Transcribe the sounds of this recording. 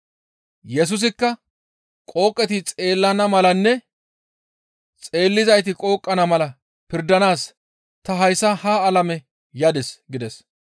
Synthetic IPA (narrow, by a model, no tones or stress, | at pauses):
jɛs̬ʊs̬ɪkːɐ | kʼo̞ːkʼːɛt̪ɪt͡sʼe̞ːlːɐnɐmɐlɐnːɛ | t͡sʼe̞ːlːɪzɐjt̪ɪkʼo̞ːkʼːɐnɐmɐlɐ | pɪɾd̪ɐnaːs | t̪ɐɦɐjsːɐhaːlɐmɛ | jɐd̪ɛsɡɪd̪ɛs